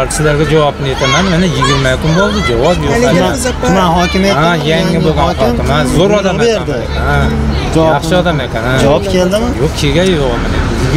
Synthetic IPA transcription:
ɾʰʲɪ̥sɪlaɾɡʲad͡ʒavɒpnɪe̞t̪ʰamanmenɪjɪɡʲɪɾmakʰʊnbolˠd̪ɪd͡ʒavɒpjoamaɦɒkʲɪmeajaŋːɪboɡʲakʲɪmanzoɾɒd̪ameeɾanmd̪aekʲʰana | d͡ʒafʃʃaɒd̪amekʲanad͡ʒaɒpkʰʲeld̪ɪmɪjoqkʲʰeɡʲajjoʁamanekʲʰnjɪ

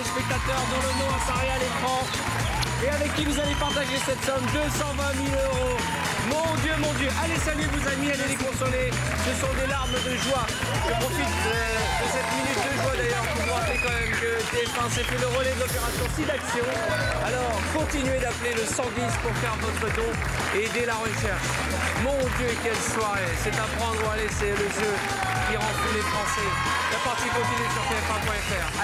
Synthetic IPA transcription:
əspɛk̚t̪at̪œʁd̪ɑ̃lənɔ̃ãsaʁealekχɑ̃ | eavɛkʲːivuzalepaʁt̪aʒesɛt̪sɔmd̪øsɑ̃vɛ̃miløʁo | mɔ̃d̪jømɔ̃d̪jøʔalesalyvozamialelekɔ̃sɔle | səsɔ̃d̪elaʁməd̪əʒwa | ʒəpχɔfit̪̚ | ə | d̪əsɛt̪minyt̪̚d̪əʒwad̪ajœʁvukwat̪ekɑ̃mɛmkət̪eɛfɛ̃sɛfɛləʁɔlɛd̪əlɔpeʁasjɔ̃sid̪aksjɔ̃ | alɔʁkɔ̃t̪inɥed̪apleləsɑ̃d̪ispuʁfɛʁvɔt̪χət̪ɔ̃ | eed̪elaʁəʃɛʁʃ | mɔ̃d̪jøkʲɛlswaʁesɛt̪apχɑ̃d̪ʁəalesɛləʒø | kʲiʁɑ̃plilefχɑ̃sɛ | kapaʁt̪ikɔ̃t̪inɥesyʁt̪eɛfɛ̃pwɛ̃ɛfɛʁ

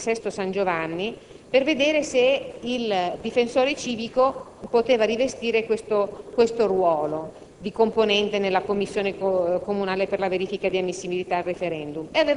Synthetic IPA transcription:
sɛst̪osand͡ʒovanːi | perved̪eːɾeseild̪ifensoːɾet͡ʃiːvikopot̪eːvaɾivest̪iːɾekwest̪okwest̪orwɔːlo | d̪ikomponɛnt̪enelːakomːisːjoːnekomunaːleperlaveɾiːfikad̪iamːisːibilit̪aːlrefeɾɛnd̪umeave

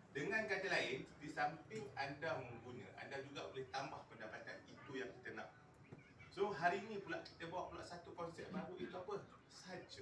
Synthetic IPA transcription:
dəŋãnɡad͡ʒalaɪndisampɪŋandaməŋɡunə̃ʔa̰ndad͡ʒuɡaʔolɛht̪ambahpəndapat̪anit̪ujaŋkit̪ənã̰ʔ | soɦaɾinĩpulaʔki̥t̪əbawa̰ʔpulaʔsat̪ukɔnsɛʔ̚baɾuʔit̪uapə | sad͡ʒə

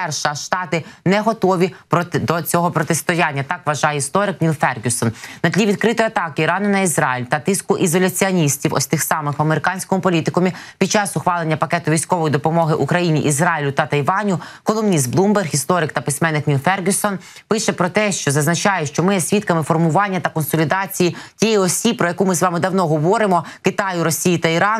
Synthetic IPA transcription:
ɛrʃɐʃt̪ɑt̪ɪnɛɦɔt̪ɔʋʲipd̪ɔt͡sʲɔɦɔpɾɔt̪ɪst̪ɔjanʲːɐt̪ɑkʋɐʒɑjɛist̪ɔɾɪknʲilˠfɛrɡʲusɔnnɐd̪ʲlʲiʋʲid̪̚kɾɪt̪ɔjɐt̪ɑkɪiɾɑnɪnɐizɾɑjilʲt̪ɐt̪ɪskʊʔizɔlʲɐt͡sʲiɐnʲisʲtʲiwɔ̰sʲt̪ɪxsɑmɪxɐmeɾɪkɑnʲsʲkɔmʊpɔlʲit̪ɪkɔmʲipʲid̪̚t͡ʃɑsʊxʋɑlˠenʲːɐpɐkɛt̪ʊʋʲijsʲkɔʋɔjid̪ɔpɔmɔɦɪʔukɾɐjinʲiʔizrɑjilʲʊt̪ɐt̪ɐjʋɑnʲʊkɔlˠɔmnʲist̪̚blˠumberxist̪ɔɾɪkt̪ɐpɪsʲmɛnːɪknʲilˠfɛrɡʲɪsɔn | pɪʃɛpɾɔt̪ɛʃt͡ʃɔzɐznɐt͡ʃɑjɛʃt͡ʃɔmɪjɛsʲʋʲit̪̚kɐmɪfɔrmʊʋɑnʲːɐt̪ɐkɔnsɔlʲid̪ɑt͡sʲijitʲijɛjiɔsʲibpːɾɔjɐkumɪzʋɑmɪd̪ɐwnɔɦɔʋɔɾɪmɔkɪt̪ɑjʊɾɔsʲijit̪ɐiɾɑn

